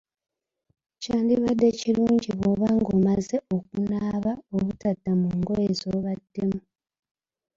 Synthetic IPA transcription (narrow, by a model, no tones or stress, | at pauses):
caːndiβadːe̞ciluːɲɟiβo̞ːβaŋɡoːmazeo̞kunaːβaoβutadːamuːŋɡo̞jezoːβadːemu